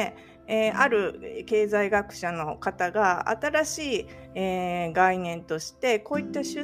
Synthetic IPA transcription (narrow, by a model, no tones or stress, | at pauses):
eaɾɯ̟ke̞ːzaiɡakɯ̟̥ɕano̞kat̪aɡaa̰t̪aɾaɕiː | eːɡainẽ̞nt̪o̞ɕi̥t̪e̞ko̞ːit̪ːaɕɨ